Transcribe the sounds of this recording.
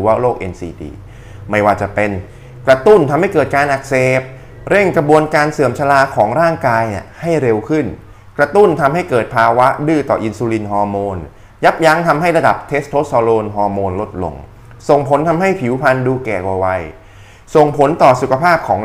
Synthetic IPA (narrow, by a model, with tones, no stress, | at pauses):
ɾɯː˩˦waː˥˩loː˥˩k̚ʔḛ˧nsḭː˧dḭː˧ | ma˥˩jwaː˧˩t͡ɕa˨˩pe˧n | kɾa˧t̪u˥˩nt̪ʰa˧mha˥˩jkɤː˨˩t̪̚kaː˧nʔa˨˩k̚seː˨˩p̚ | ɾe˥˩ŋkɾa˧bu˧ənkaː˧nsɯ˨˩əmt͡ɕʰa˧laː˧kʰɔː˩˦ŋɾaː˥˩ŋkaː˧jni˧˩əha˥˩jɾe˧wkʰɯ˥˩n | kɾa˧t̪u˥˩nt̪ʰa˧mha˥˩jkɤː˨˩t̪̚pʰaː˧wa˦˥dɯː˥˩t̪ɔ̰ː˨˩ʔi˧nsuː˧li˧nɦɔː˧moː˧n | ja˦˥p̚ja˦˥ŋt̪ʰa˧mɦa˥˩jɾa˧da˨˩p̚t̪ʰe˦˥st̪ʰoː˦˥sɔː˧loː˧nɦɔː˧moː˧nlo˦˥t̪̚lo̰˧ŋ | so˨˩ŋpʰo˨˩˦nt̪ʰa˧mɦa˥˩jpʰi˩˦wpʰa˧nduː˧kɛː˨˩kwa˨˩wa˧j | so˨˩ŋpʰo˩˦nt̪ɔː˨˩su˨˩kʰa˧pʰaː˥˩p̚kʰɔː˩˦ŋ